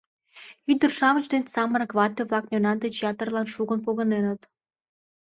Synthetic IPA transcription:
yd̪ərʃɑmət͡ɕd̪enʲsɑmənkβɑt̪eβlɑkmʲonɑnd̪et͡ɕjɑt̪ərlɑnʃuɣənpoɣə̆nenət̪

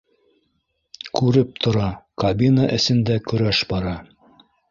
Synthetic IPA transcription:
kʉɾɘp̚t̪ʰŏɾɑkɐbʲinəʔɘ̆sɘ̆nd̪ækɵ̆ɾæʃbɑɾɑ

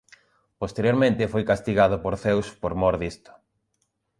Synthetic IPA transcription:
post̪eɾjoɾmẽnt̪ɪfojkast̪iɣaðʊpoɾθewspoɾmoɾðist̪ʊ̥

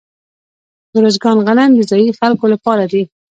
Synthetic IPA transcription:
əɾozɡɑnɣanand̪əzɑjixalkolapɑɾad̪i

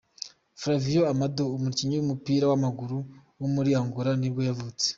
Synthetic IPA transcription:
fɾavijoamadoːmuɾciɲiwumupiːɾawamaɡuɾuwumuɾijaːŋɡuɾanibɡo̞javut͡se̥

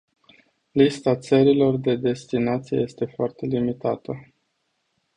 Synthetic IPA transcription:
list̪at̪səɾilo̞rd̪e̞d̪e̞st̪inat̪sijḛje̞st̪e̞foart̪e̞limit̪at̪ə

